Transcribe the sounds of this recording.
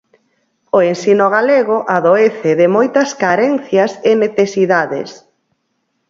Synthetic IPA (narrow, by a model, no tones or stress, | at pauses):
oensinoɣaleɣoʔaðoeθɪðɪmojt̪ɐskaɾɛnθjɐseneθesiðaðḛs